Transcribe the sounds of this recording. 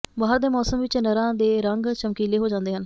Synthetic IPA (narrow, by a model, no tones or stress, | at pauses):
baːəɾd̪eːmɔːsəmʋɪt͡ʃnəɾãːd̪eːɾəŋɡt͡ʃəmkiːleːɦoːd͡ʒãːnd̪eːɦən